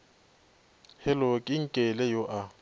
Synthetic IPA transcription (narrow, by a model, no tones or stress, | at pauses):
hɛlɔkʼɪŋ̩kʼɛlɛjoʔa